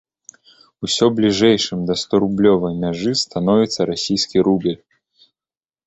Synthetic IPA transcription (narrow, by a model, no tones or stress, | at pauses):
usʲɔblʲiʐɛjʂɨmd̪ɐst̪ɔɾublʲɔvɐjmʲaʐɨst̪an̪ɔvʲit̪sːɐɾasʲijskʲiɾubʲɛlʲ